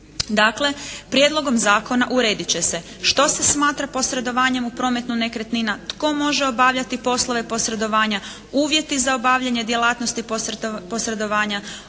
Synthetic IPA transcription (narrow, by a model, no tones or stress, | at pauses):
d̪aːkle̞pɾjed̪lˠo̞ɡo̞mzaːko̞naʔuɾe̞ːd̪it͡ɕe̞se̞ | ʃt̪o̞se̞smaːt̪ɾapo̞sɾe̞d̪o̞ʋaːɲe̞mupɾo̞ːmet̪nune̞kɾet̪ninat̪ko̞mo̞ʒeo̞baʋʎat̪ipo̞slˠo̞ʋe̞po̞sɾe̞d̪o̞ʋaːɲa | uːʋje̞t̪izao̞baːʋʎaɲe̞d̪jelˠaːt̪nost̪ipopo̞sɾe̞d̪o̞ʋaːɲa